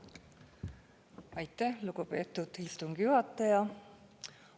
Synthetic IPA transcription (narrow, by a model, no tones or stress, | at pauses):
ɑjt̪ːæhluɡupe̞ːt̪ːˑud̪̥ist̪uŋɡ̥juhɑt̪ːˑɑjɑ